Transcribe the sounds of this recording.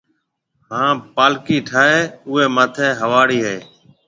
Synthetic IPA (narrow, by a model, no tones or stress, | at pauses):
ɦãːpaːlkiːʈʰaːɦeːʊːeːmaːt̪ʰẽːɦəʋaːɽiːɦeː